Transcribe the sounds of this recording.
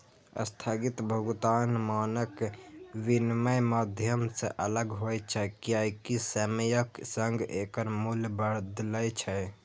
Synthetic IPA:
ə̰st̪ʰaɡit̪bʱəɡut̪anmanəkʋinməjmad̪ʱjəmseʔələɡɦojt͡ʃʰɛkijajkisəməjəksəŋɡekəɾmulbəɾd̪ləjt͡ʃʰɛ

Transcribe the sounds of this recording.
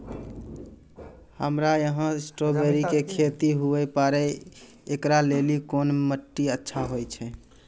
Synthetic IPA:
həmɾajəɦə̃sʈobeɾikekʰet̪iɦuɛpaɾɛ | ekɾalelikonməʈːiətːʃʰaɦojt͡ʃʰɛ

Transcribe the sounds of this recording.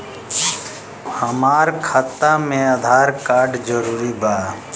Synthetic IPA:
həmaːɾkʰat̪ːamẽəd̪ʱaːɾkaːɾɖd͡ʒəɾuːɾibaː

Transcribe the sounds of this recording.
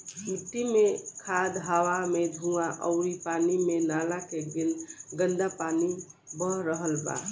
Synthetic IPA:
mit̪ːimekʰad̪ɦəwamed̪ʱuaʔə̰ʊɾipanimenalakeɡinɡənd̪apani | bəɾəɦəlba̰

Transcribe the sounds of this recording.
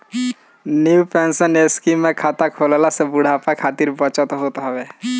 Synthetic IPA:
njupensəneskimːẽkʰaːt̪akʰolalasebuɽ̤ʱapakʰaːt̪iɾbət͡ʃət̪ɦot̪ɦɛbe

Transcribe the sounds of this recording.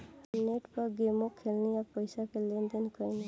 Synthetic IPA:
neʈpɔɡemɔkʰːelniapɔjsakʰelːend̪inkɔjni

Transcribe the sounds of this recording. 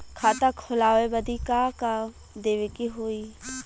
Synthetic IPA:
kʰat̪əkʰhʊlaːʋebəd̪ikaka | d̪eːʋekiɦoiː

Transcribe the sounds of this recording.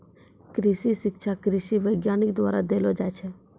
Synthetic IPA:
kɾɪʃiʃɪkʃʰakɾɪʃiʋəjɡjanikd̪ʋa̰ɾa̰d̪elod͡ʒajt͡ʃʰe

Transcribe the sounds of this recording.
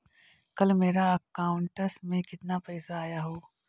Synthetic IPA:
kɐlmeːɾaɐkaːʊɳʈəsmẽkɪt̪napɐɪsaːjaɦoː

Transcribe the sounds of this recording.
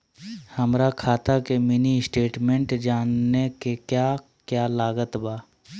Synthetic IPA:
həmɾakʰaːt̪akemɪniɪsʈeːʈmẽɳʈd͡ʒaːnːekekjaː | kjaːlaːɡət̪baː

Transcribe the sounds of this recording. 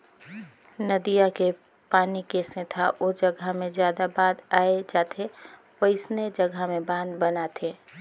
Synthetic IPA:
nəd̪ijake | paːnikeːsẽt̪ʰaʔod͡ʒəɡʱamẽzjaːd̪abaːd̪aːed͡ʒaːt̪ʰe | pəɪsned͡ʒəɡʱamẽbãːnd̪bənat̪ʰeː

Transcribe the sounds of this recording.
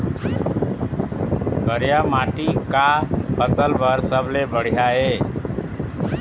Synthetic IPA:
ɡəɾjamaʈikapəsəlbəɾsəblebəɽ̤ijae

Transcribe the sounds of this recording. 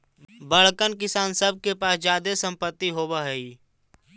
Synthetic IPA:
bəɽ̤kənkɪsaːnsəb̚ʱkepaːsd͡ʒjaːd̪esə̃mpət̪ːiɦoːbaɦɛiː

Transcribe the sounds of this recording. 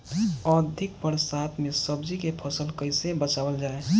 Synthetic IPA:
əd̪ʱɪk̚bəɽsat̪ʰmesəbd͡ʒikepʰəsəlkəɪsebət͡ʃabəld͡ʒaːe

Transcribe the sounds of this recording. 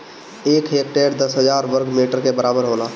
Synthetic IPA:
eːkɦeːk̚ʈeːɽd̪əsɦəd͡ʒaːɾʋəɾɡmiːʈəɾkebəɾaːbəɾɦoːlaː

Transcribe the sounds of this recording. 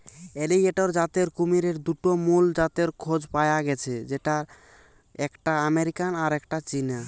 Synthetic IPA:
elieʈoɾd͡ʑat̪eɾkumiɾeɾd̪uʈomuld͡ʑat̪eɾkʰod͡ʑpajaɡɛt͡ɕʰed͡ʑeʈa | ɛkʈaameɾikanaɾɛkʈat͡ɕina

